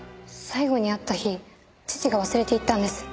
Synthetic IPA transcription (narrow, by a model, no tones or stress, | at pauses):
saiɡo̞ɲ̟iat̪ːaçi | t͡ɕi̥t͡ɕiɡaβ̞asɨɾe̞t̪e̞it̪ːãnd̪e̞sɨ̥